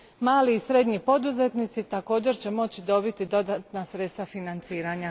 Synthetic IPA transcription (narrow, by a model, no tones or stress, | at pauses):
maːliːsɾe̞d̪ɲipo̞d̪uze̞t̪nit̪sit̪ako̞ːd͡ʑe̞ɾt͡ɕe̞mo̞t͡ɕid̪o̞bit̪id̪o̞d̪at̪nasɾet̪st̪ʋafinant̪siːɾaɲa